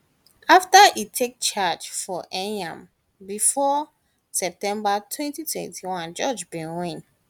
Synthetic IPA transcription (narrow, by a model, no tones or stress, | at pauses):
aftaʔitʰek̚t͡ʃad͡ʒfɔʔɛ̃nɛ̰̃m | bifɔ | sɛp̚tɛ̃mbatʰwɛ̃ntitʰwɛ̰̃ntʰiwãnd͡ʒɔd͡ʒbĩnwĩn